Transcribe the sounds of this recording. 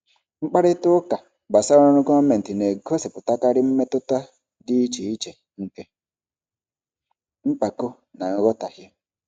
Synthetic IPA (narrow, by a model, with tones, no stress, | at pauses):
ŋ͡m̩˦k͡pa˦ɾɪ˦tʊ˦ka˨ | ba˨sa˦ɾɔ˦nʊ˦ɡɔ˦me˨n̩˨tɪ˨ne˨ɡo˦se˨pʊ˨ta˦ka˦ɾɪ˦m̩˦me˦tʊ˦ta˦ | dɪ˦i˦t͡ʃi˨i˦t͡ʃe˨ | ŋ̩˦ke˦ | ŋ͡m̩˦k͡pa˨kʊ˦ | na˨ŋ̩˦ɡɔ˦ta˨ɦɪ˦